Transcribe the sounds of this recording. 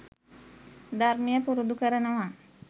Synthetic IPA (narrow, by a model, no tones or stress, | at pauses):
d̪aɾmijəpuɾud̪ukəɾənəʋa